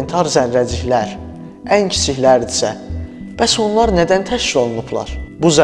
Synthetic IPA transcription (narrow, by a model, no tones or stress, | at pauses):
nt̪ʰɑɾzæɾːæd͡ʒiçlæɾ | æncʰi̥t͡ʃ̪ʰiçlæɾd̪isæ | b̥æso̞nlˠɑɾnæd̪ænt̪ʰæʃfilo̞lˠunublˠɑ̰ɾbuzæ